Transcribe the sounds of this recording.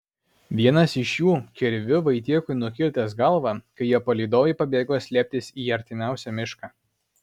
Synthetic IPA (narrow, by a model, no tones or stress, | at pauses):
ʋʲiɛnɐsɪʃjuːkʲɛɾʲʋʲʊʋɐɪt̪ʲiɛkʊɪnʊkʲɪlʲt̪ʲɐsɡɐlˠʋɑːkɐɪjiɛpolʲiːd̪oːjɛɪpɐbʲeːɡoːsʲlʲiːp̚ʲt̪ʲɪsiːɐɾʲt̪ʲɪmʲæˑʊsʲɛmʲɪʃkɑː